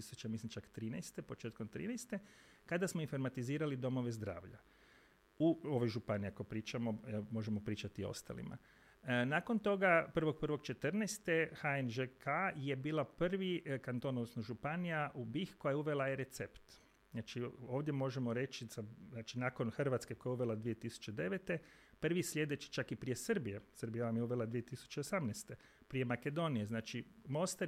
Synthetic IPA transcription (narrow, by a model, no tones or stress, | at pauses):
isut͡ʃamislimt͡ʃakt̪ɾiːnɛjst̪e̞po̞t͡ʃeːt̪komt̪ɾḭːnɛjst̪e̞ | kad̪asmoinfo̞ɾmat̪iziːɾalid̪o̞mo̞ʋe̞zd̪ɾa̰ːʋʎa̰ | uo̞ʋojʒupanijakopɾiːt͡ʃamomo̞ʒemopɾiːt͡ʃat̪io̞̰st̪a̰lḭma̰ | naːko̞nt̪o̞ɡapr̩ʋo̞ɡ̚pr̩ʋo̞ɡt͡ʃe̞t̪ərnɛjst̪exaenʒekʰajebiːlˠapr̩ʋikant̪o̞nosnoʒupanijaʔubixko̞jajeuʋe̞lˠajeɾe̞t̪sept̪ | znaːt͡ʃio̞ːʋd̪je̞mo̞ʒemo̞ɾe̞t͡ʃizanaːt͡ʃinaːko̞nxrʋat̪skeko̞jaeuʋe̞lad̪ʋije̞t̪isu̥t͡ʃe̞d̪e̞ʋet̪e̞ | pr̩ʋislʲje̞d̪e̞t͡ʃi̥t͡ʃakipɾije̞sɨrbijesəɾbijaʋamjeuʋe̞lˠad̪ʋije̞t̪isu̥t͡ʃeosamnest̪e̞ | pɾije̞make̞d̪o̞nije̞znaːt͡ʃimo̞st̪a